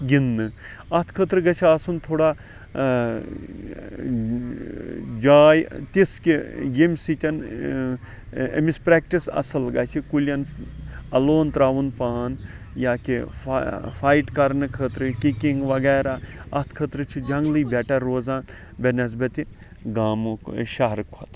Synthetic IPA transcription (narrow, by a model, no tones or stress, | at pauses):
ɡinːɨɐt̪ʰkʰət̪ɾɨɡɐt͡ʃʰiasunt̪ʰoːɽaː | d͡ʒaːjt̪iskiɡemʲsit̪ʲɐn | ḛmispɾeːk̚ʈisɐ̰sɐlɡɐːt͡ʃʰikulʲjɐnɐloːnt̪ɾaːʋunpaːn | jaːki | fajʈkɐɾnɨkʰəːt̪ɾɨkikiŋɡʋɐɡɛːɾaːɐt̪ʰkʰət̪ɾɨt͡ʃʰid͡ʒɐŋɡlɨːbɛʈɐɾːoːzaːn | benɐz̬bɐt̪i | ɡaːmʃɐɦɾɨkʰɐt̪